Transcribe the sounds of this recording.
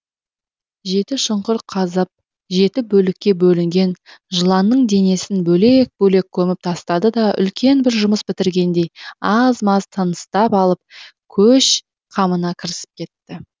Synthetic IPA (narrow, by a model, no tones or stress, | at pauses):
ʒe̞t̪ɪʃʊɴqʊɾqʰɑzəp̚ | ʒe̞t̪ɪbɵlɪkʲːe̞bɵlɪŋɡʲe̞nʒəlˠɑnːəɴd̪e̞ne̞sɪnbɵle̞k̚bɵle̞kʲʰːɵmɪp̚t̪ʰɑst̪ɑd̪əd̪ɑʏ̰lkʲe̞nbɪɾʒʊməsbɪt̪ɪɾɡʲe̞nd̪e̞jɑzmɑzt̪ʰənəst̪ɑpɑlˠəp̚kʲʰɵʃ | qʰɑmənɑkʲʰɪɾɪsɪ̥p̚kʲʰe̞t̪ːɪ